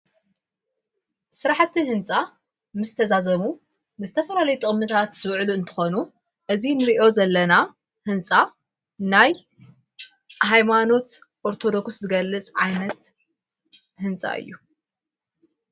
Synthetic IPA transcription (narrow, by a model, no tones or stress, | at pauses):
sɨɾaħt̪ʰːihɨnt͡sʼa | mɨzt̪ʰɐzazɐmu | nɨzɨt̪ʰɐfɐlalɐjut̪ʼɨχʼmɨt̪ʰat̪z̥ɨwʕluɨnt̪ʰɨ̥xo̞nu | ʔɨzinɨɾiʔo̞zɐlːɐna | hɨnt͡sʼa | naj | hajmano̞t̪ | ʔoɾt̪ʰo̞d̪o̞kszɨɡɐlːɨt͡sʼʕajnɐt̪ | hɨnt͡sʼa̰ʔɨ̰jːu